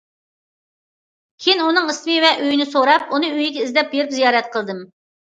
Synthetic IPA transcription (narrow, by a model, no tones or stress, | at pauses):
kʲʰejnunɨŋismɨvɛʔøjinɪsoɾɑp̚unɨyjiɡʲɛizd̪ɛp̚jeɾypzijɑːɾɛt̪̚qʰəlˠd̪ɨm